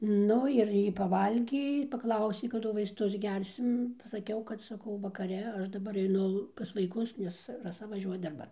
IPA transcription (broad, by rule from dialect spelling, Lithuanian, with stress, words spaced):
ˈnʊ ɪr ˈjiː pɐˈʋɐlʲɡʲeː ɪr pɐˈklˠɐʊsʲeː kɐˈdʊ ʋɐɪsˈtʊs ˈɡʲɛrʲsʲɪm pɐsɐˈkʲɛʊ kɐt sɐˈkɐʊ ʋɐkɐˈrʲɛ ˈɐʃ dɐˈbɐr ɛɪˈnʊ pɐs ʋɐɪˈkʊs ˈnʲɛs rɐˈsɐ ʋɐˈʒʲuɔjɛ dɐrˈbɐn